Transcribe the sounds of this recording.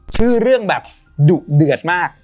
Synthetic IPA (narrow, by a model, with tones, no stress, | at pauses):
t͡ɕʰɯː˥˩ɾɯ˥˩əŋbɛː˨˩p̚ | duː˨˩k̚dɯ˨˩ət̪̚maː˥˩k̚